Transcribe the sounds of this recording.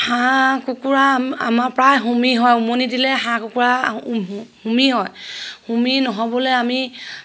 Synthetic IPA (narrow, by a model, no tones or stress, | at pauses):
hãkukuɹaa̰maɹpɹajɦumiɦɔjumonidilɛɦãkukuɹa | humiɦɔjhuminɔɦɔbɔlɛami